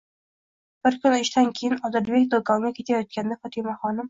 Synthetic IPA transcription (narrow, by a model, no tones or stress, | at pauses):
b̥ɪɾkʰʲʊnɪʃt̪ankʲʰejɪnɒzɪɾbekʲd̪okʰɒŋɡʲakʲʰe̞t̪ʰajɒt̪̚kʲand̪afɒt̪ʰimaχɒnɪm